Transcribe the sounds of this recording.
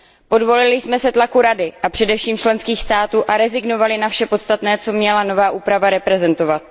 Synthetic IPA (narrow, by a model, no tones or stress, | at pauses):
po̞dvo̞lɪlɪsmɛsɛt̪lakuɾadɪʔapr̝̥ɛdɛfʃiːmt͡ʃlɛnskiːxst̪aːt̪uːʔaɾɛzɪɡno̞valɪnafʃɛpo̞t̪st̪at̪nɛːt͡so̞mɲɛlano̞vaːʔuːpɾavaɾɛpɾɛzɛnt̪o̞vat̪̚